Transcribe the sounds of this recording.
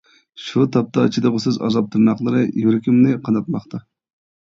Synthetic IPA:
ʃut̪ʰɑp̚t̪ʰɑt͡ʃʰid̪ɨʁʊsɨzɑ̰zɑp̚t̪ʰɾnɑχlˠɨɾɨjyɾɪkʲimnɪqʰɑnɑt̪̚mɑχt̪ʰɑ

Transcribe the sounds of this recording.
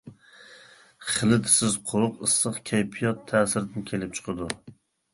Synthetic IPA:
χɨlˠɪt̪sɪzqʰoɾʊqɨsːɨqkʲʰajpʰijɒt̪ʰːæːsɪɾd̪ɪnkʲʰelɪp̚t͡ʃʰɨ̥qʰɨd̪ʊ

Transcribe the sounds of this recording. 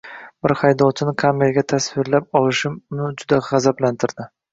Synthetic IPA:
bɪɾhajd̪ɒwt͡ʃʰɪnɪkʰame̞lɡʲat̪ʰasvɪɾlap̚ɒlɪʃɪmʊnɪd͡ʒʊd̪aʁazablant̪ʰɪɾd̪̥ɪ

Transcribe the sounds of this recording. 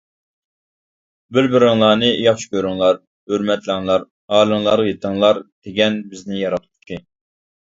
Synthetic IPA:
bɪɾbɪɾɪŋlˠɑːnɨjɑχʃi̥kʲøɾyŋlˠɑɾ | øɾmɛt̪ʰlɪŋlˠɑɾ | hɑːlˠɨŋlˠɑɾʁɑjet̪ʰəŋlˠɑɾd̪̥eɡʲɛnbɪznɪjɑɾɑt̪ʰu̥t̪ʰːɨ

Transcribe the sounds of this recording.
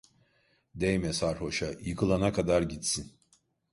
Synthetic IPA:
d̪ejmɛsaɾho̞ʃajɯkʰɯlˠanakʰad̪aɾɟit̪sin

